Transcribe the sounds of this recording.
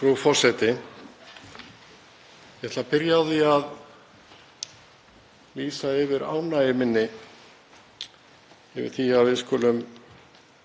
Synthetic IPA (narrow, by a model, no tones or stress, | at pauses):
fɾufɔr̥sɛt̪ɪ | jɛht̪lapɪɾjawðɪað | liːsaɪvɪɾa̰ːwnaɪmɪnːɪ | ɛvɪ̰ɾ̥θiavɪðskɔːlʏm